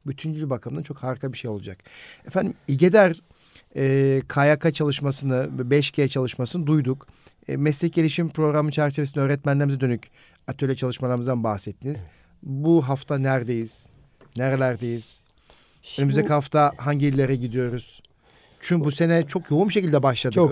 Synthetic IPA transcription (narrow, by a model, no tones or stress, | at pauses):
byt̪ʰynɟilʲybakʰamɯnat͡ʃʰokhaɾkʰabiʃe̞jo̞lˠud͡ʒakɛfænd̪imiɟe̞d̪æɾ | ɛːkʰajakʰat͡ʃʰalˠɯʃmasɯnɯbɛʃcʰejɛt͡ʃʰalˠɯʃmasɯnɯd̪ujd̪ukː | mɛslʲɛc̚ɟe̞lʲiʃimpɾo̞ɡɾamɯnt͡ʃʰæɾt͡ʃʰe̞ve̞sinøːɾɛt̪̚mænlʲeɾmzɛd̪ø̞nyc | at̪ʰːølʲɛt͡ʃʰalˠɯʃmalˠaɾmɯzd̪anbaxsɛt̪ʰːiniz̥ | buɦaft̪ʰanæɾd̪e̞jiz̥ | neɾelʲæɾd̪ejiz̥ | ønymyzd̪ecʰihaft̪ʰaɦaɲɟiilʲːeɾɛɟid̪ijo̞ɾuz̥ | t͡ʃʰynbuse̞nɛt͡ʃʰo̞kjo̞unbiʃe̞cilʲd̪ɛbaʃlˠad̪